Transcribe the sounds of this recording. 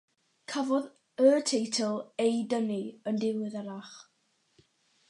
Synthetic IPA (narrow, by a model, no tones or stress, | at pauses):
kʰavɔð | ətʰejtʰəlˠejdəniəndɪwɪðaɾaχ